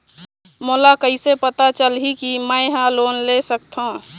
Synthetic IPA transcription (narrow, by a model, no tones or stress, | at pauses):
moːlakəisepət̪at͡ʃəlɦikiməɪɦãloːnlesək̚t̪ʰɦõ